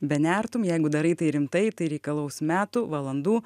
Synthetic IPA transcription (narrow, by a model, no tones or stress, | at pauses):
bʲɛnʲæːɾt̪ʊmjɛɪɡʊd̪ɐɾɐɪt̪ɐɪɾʲɪmt̪ɐɪt̪ɐɪɾʲɛɪkɐlˠɐʊsmʲæːt̪uʋɐlˠɐnd̪uː